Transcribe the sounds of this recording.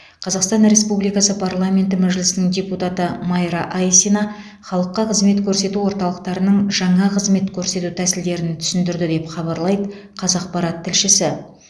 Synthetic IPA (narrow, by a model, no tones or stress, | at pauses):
qʰɑzɑqst̪ɑnɾe̞spublˠijkɑsəpʰaɾlˠamʲe̞nt̪ɪmæʒlɪsɪnɪŋdʲe̞put̪ɑt̪əmɑjɾɑʔajsinɑ | χɑlˠəqːɑqʰəzme̞t̪kʲʰɵɾse̞t̪uwo̞ɾt̪ɑlˠəqt̪ɑɾənəɴʒɑɴɑqʰəzme̞t̪kʲʰɵɾse̞t̪ut̪ʰæsɪld̪e̞ɾɪnt̪ʰʏ̥sʏnd̪ɪɾd̪ɪd̪e̞pχɑbɑɾlˠɑjd̪ə | qʰɑzɑqpɑɾɑt̪ʰːɪlʃɪsɪ